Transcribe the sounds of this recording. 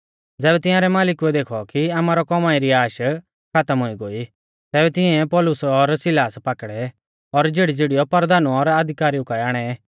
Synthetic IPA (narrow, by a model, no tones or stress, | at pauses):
d͡zɛːβɛt̪ɪ̃jãːɾɛmaːlɪkuɛd̪eːkʰɔkiamaːɾɔkɔmãːiɾiaːʃ | kʰat̪əmɦoiɡoːi | t̪ɛːbɛt̪ɪ̃ɛ̃pɔlʊsɔɾsɪlaːspaːkɽɛ | ɔɾd͡ʒeːɽid͡zeːɽijɔpɐɾd̪aːnuɔɾɐd̪ʱɪkaːɾiʊkaːɛaːɽ̃ɛ